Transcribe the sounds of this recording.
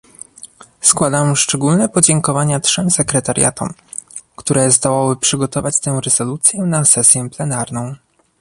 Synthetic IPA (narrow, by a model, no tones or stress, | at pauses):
skwad̪amʂt͡ʂɛɡulnɛpɔd͡ʑɛŋkɔvaɲatʂɛmsɛkɾɛt̪aɾʲja̰t̪ɔ̰m | kt̪uɾɛzd̪ɔwawɘpʂɘɡɔt̪ɔvat͡ɕt̪ɛw̃ɾɛz̥ɔlut̪sʲjɛnasɛsʲjɛplɛnaɾnɔ̃w̃